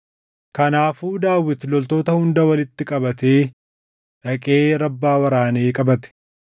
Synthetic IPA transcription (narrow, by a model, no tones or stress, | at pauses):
kɐnaːfuːd̪aːwɪt̪lɔlt̪o̞ːt̪ɐhʊnd̪ɐwɐlɪt̪ːɪkʼɐbɐt̪e̞ː | ᶑɐkʼeːɾɐbːaːwɐɾaːneːkʼɐbɐt̪ɛ̥